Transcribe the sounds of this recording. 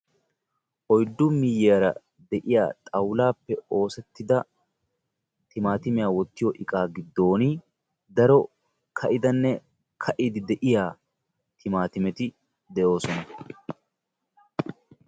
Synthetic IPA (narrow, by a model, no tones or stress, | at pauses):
ʔɔjd̪ːʊmːɪjːɛɐɾɐ̰ | d̪ɛʔɪja̰ːt̪ʼɐwlaːpːɛo̞ːsɛt̪ːɪd̪ɐ | t̪ɪmaːt̪ɪmɪjaːwɔt̪ːɪjɔʔɪkʼaːɡɪd̪ːo̞ːnɪ | d̪ɐɾɔ | kʰɐʔɪd̪ɐnːɛ | kʰɐʔɪd̪ɪd̪ɛʔɪjaː | t̪ɪmaːt̪ɪmɛt̪ɪ | d̪ɛʔo̞ːsɔnɐ